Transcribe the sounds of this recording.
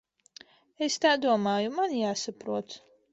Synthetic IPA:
est̪aːd̪uɔmaːjumanjaːsapɾuɔt̪

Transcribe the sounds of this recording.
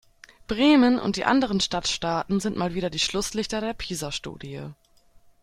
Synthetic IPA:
b̥ʁeːmənʔʊ̰nt̚d̥ḭːʔa̰ndəʁənʃtatʃtaːtn̩zɪntmaːlviːdɐdiːʃlʊslɪçtɐdeːɐpʰiːzɐʃtṵːdiə

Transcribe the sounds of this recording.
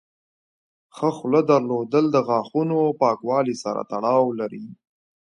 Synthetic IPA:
xəxləd̪əɾlod̪əld̪əɣɑːxunopɑkwɑlisaɾa̰t̪aɽɑwlaɾi

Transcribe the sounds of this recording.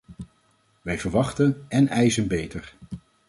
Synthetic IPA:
ʋɛjvəɹʋɑχtənɛnɛjzənbejtəɹ

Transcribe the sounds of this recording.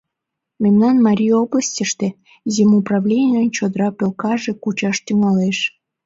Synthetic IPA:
memnɑnmɑɾʲijobləsʲtʲəʃt̪e | zʲemuprɑvlʲenʲɪjənt͡ɕod̪rɑpelkɑʒekut͡ɕɑʃt̪yŋɑleʃ

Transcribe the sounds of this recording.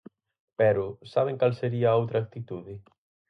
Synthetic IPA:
pɛɾʊsaβ̞eŋkalseɾiɐaowt̪ɾɐak̚t̪it̪uðɪ

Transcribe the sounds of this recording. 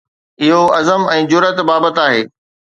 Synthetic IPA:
ɪɦoɐzəmɛ̃ːd͡ʑʊɾət̪baːbət̪aːɦḛː

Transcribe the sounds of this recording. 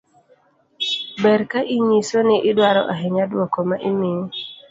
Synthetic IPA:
bɛɾkaʔiɲisonɪʔɪdwaɾɔ̰ʔaɦɛɲadwɔkomaʔɪmɪ

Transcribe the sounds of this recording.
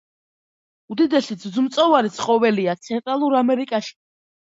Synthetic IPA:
ud̪id̪ɛsizzumt̪sʼɔvaɾit̪sʰχʼɔvɛliat̪sʰɛnt̪ʼɾalˠuɾamɛɾikʼaʃi̥

